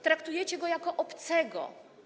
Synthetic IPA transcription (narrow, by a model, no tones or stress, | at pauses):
t̪ɾakt̪ujɛt͡ɕɛɡɔjakɔʔɔpt̪sɛɡɔ̰